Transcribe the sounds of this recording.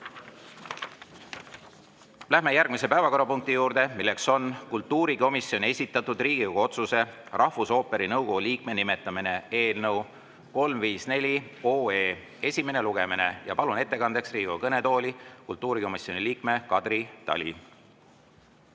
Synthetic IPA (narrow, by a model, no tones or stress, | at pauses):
læhɦme̞jæɾrɡ̥̚mise̞pæevɑko̞ɾɑpuŋk̚t̪ijuːɾd̪̥e̞milːe̞kso̞nkult̪ːuːɾiko̞misːjo̞nʲesʲit̪ˑːɑt̪ːˑud̪riːɡ̥iuɡ̥o̞t̪suse̞rʔɑhfuso̞ːpe̞ɾinɤwko̞ɡ̥uliːk̚me̞nime̞t̪ːˑɑmine̞e̞ːlnɤw | ko̞lmviːsne̞lʲio̞ːeː | e̞sʲime̞ne̞luɡ̥e̞mine̞jɑpɑlune̞t̪ːe̞kɑnd̪e̞ksriːɡuɑkɤne̞t̪o̞ːlʲikult̪ːˑuːɾiko̞misjo̞niliːkme̞kɑd̪̥rit̪ɑ̰lʲḭ